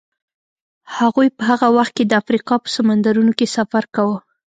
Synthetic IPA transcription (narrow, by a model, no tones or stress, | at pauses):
haɣujpəɦaɣawaxt̪̚ked̪əafɾiqɑpə̥samand̪aɾunokesafaɾkawə